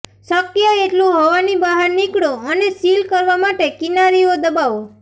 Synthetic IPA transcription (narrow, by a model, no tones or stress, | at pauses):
səkjaeʈlũɦɔʋanibaɦaɾnikɽoənesilkəɾʋamaʈekinaɾiod̪əbaʋo